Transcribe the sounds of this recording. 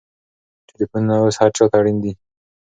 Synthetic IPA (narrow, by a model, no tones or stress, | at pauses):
ʈʰɪlifunnawushaɾt͡ʃɑt̪aɽind̪i